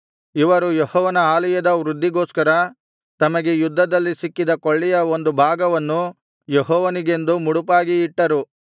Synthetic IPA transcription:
iʋɐɾujehɔːʋɐnɐaːlɐjɐd̪ɐʋɾud̪ʱːiɡoːskɐɾɐ | t̪ɐmɐɡejud̪ʱːɐd̪ɐlːisikːid̪ɐkoɭːijɐond̪ubʱaːɡɐʋɐnːu | jeɦɔːʋɐniɡe̞nd̪umuɽupaːɡiːʈːɐɾu

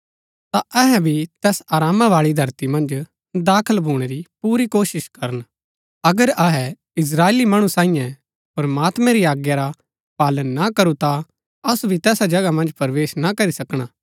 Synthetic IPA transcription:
t̪aʔɛɦɛbʱit̪ɛːsaːɾaːmaʋaːɭid̪ʱɐɾt̪imɐ̃nd͡ʒ | d̪aːkʰəlbʱuːɽ̃eɾipuːɾikoːʃɪʃkɐɾən | ɐɡəɾɐɦɛ | ɪs̬ɾaːeːlimɐɽ̃ũsãːĩjɛ̃ | pɐɾmaːt̪mɛ̃ɾiaːɡjaɾa | paːlənːakɐɾut̪a | ɐsubʱit̪ɛːsad͡ʒɐɡamɐ̃nd͡ʒpɐɾʋeːʃnakɐɾisɐkɽ̃aː

